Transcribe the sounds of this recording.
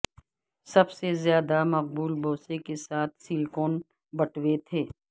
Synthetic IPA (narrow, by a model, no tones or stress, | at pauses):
sɐbsezjaːd̪amɐq̚buːlbʱoːsekesaːt̪ʰsiːlkoːn | bɐʈʰwet̪ʰeː